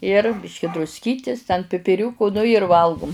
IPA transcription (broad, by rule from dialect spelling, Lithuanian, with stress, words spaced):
ɪr ˈbʲɪʃʲkʲɪ drʊsʲˈkʲiːtʲɪs tʲɛn pʲɪpʲɪˈrʲuːkʊ ˈnʊ ɪr ˈʋɐlˠɡʊm